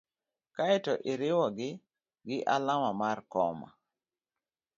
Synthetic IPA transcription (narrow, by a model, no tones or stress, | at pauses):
kaɛtɔʔiɾɪwɔɡɪ | ɡɪʔalamamarkɔ̰ma̰